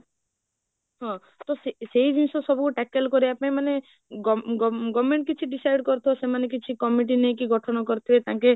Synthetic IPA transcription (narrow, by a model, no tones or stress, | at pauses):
ɦɔ̃ | t̪ɔseseid͡ʒinsɔsɔbukuʈɛkelkɔɾiapãĩmane | ɡɔɡɔɡɔmeɳʈ̚kit͡ʃʰiɖisajɖkɔɾt̪ʰiɔsemanek̬it͡ʃʰikɔmiʈ̬inejkiɡɔʈʰɔnɔkɔɾt̪ʰibet̪ãːke